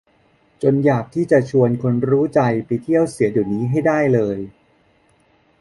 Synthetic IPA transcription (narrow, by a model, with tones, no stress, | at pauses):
t͡ɕo˧njaː˨˩k̚t̪ʰiː˥˩t͡ɕa˨˩t͡ɕʰu˧ənkʰo˧nɾuː˦˥t͡ɕa˧jpa˧jt̪ʰi˥˩əwsi˨˩˦juː˨˩niː˦˥ɦa˥˩jdaː˥˩jlɤː˧j